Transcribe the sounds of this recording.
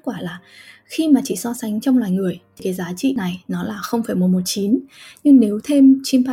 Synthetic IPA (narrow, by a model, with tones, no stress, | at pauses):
kwaː˧˩laː˨˩xi˧maː˨˩t͡ɕḭ˧˨sɔ˧sa˨˦ŋ̟t͡ɕɔ˧wŋ͡mlwaː˨˩jŋɨ˨˩əjt̪ʰi˨˩kaː˨˦jzaː˨˦t͡ɕḭ˧˨na˨˩jnɔ˨˦laː˨˩xə˧wŋ͡mfaː˧˩jmo˨˩mo˨˩t̚t͡ɕi˨˦nɲɨ˧ŋne˨˦wt̪ʰe˧mt͡ɕi˧mpa˧